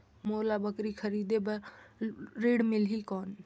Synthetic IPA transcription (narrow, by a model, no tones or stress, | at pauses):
moːlabəkɾikʰəɾiːd̪ebəɾ | ɾeːɽmɪlɦikɔːn